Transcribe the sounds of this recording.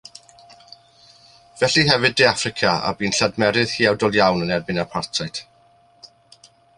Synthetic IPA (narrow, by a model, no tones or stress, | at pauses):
vɛɬiɦɛvɨdejafrɪkʰaa̰biːnɬadmɛɾɪð̥hiːawdɔlˠjawnənɛrbɪnapʰartʰajt